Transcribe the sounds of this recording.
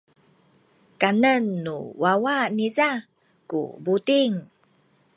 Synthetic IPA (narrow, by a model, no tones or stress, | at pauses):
kanənːuwawaniza | kṵbut̪iŋ